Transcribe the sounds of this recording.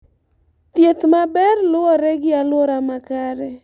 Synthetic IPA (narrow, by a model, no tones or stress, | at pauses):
t̪jet̪mabɛrlʊwɔɾɛɡɪalwoɾamakaɾɛ